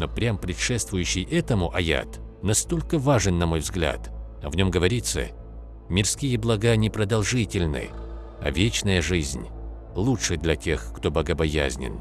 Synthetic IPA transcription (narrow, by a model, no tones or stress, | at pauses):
no̞pɾʲampɾʲɪt̪ʂɛst̪vʊjʉɕːɪjʔɛt̪əmʊʔɐja̰t̪ | nɐst̪o̞lʲkəvaʐɨnːɐmo̞jvzɡlʲa̰t̪ | ɐvnʲo̞mɡəvɐɾʲit̪sːə̰ | mʲɪrskʲijəblˠɐɡanʲɪpɾəd̪ɐlˠʐɨtʲɪlʲnɨ̰ | ɐ̰vʲet͡ɕnəjəʐɨzʲnʲ | lˠuʂɨd̪lʲɐtʲe̞xkt̪o̞bəɡəbɐja̰zʲnʲɪ̰n